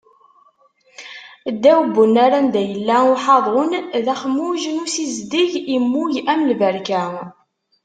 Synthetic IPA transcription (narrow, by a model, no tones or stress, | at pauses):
d̪ːæwəbənaɾand̪æjəlːæʊħɑðˤʊnðæχmːuʒənusizd̪iʝimːujæmlvəɾkæ